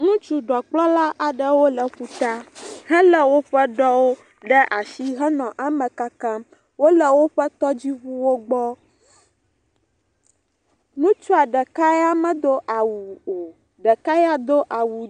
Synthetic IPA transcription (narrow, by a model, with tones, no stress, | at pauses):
nũ˦t͡ʃu˦ɖɔ˨k͡plɔ˦la˦ʔa˨ɖə˦wo˦lə˨ɸu˦t̪a˦ɦɛ̃˦lə˨wo˦ɸə˦ɖɔ˦wo˦ | ɖɛ˦ʔa˨ʃi˦ɦɛ˦nɔ̃˨ʔa˨mə̃˨ka˦kã˦ | wo˦lə˨wo˦ɸə˦t̪ɔ˦d͡ʑi˦βu˦wo˦ɡ͡bɔ˦ | nũ˦t͡ʃu˦a˨ɖɛ˨ka˦ja˦mɛ̃˨d̪o˦ʔa˨wu˨o˨ | ɖə˨ka˦ja˦d̪o˦ʔa˨wu˨